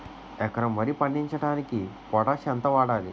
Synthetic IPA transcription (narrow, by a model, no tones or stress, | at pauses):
ɛkɐɾɐmʋɐɾipɐɳɖiɲt͡ʃɐʈaːnikipɔʈɐʃɐnt̪ɐʋaːɽaːlḭ